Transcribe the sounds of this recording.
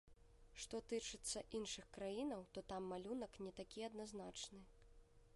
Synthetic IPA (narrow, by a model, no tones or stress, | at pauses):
ʂt̪ɔt̪ɨt͡ʂɨt̪sːɐʔinʂɨxkɾajinɐwt̪ɔt̪amːalʲunɐknʲɛt̪akʲiɐd̪naznat͡ʂnɨ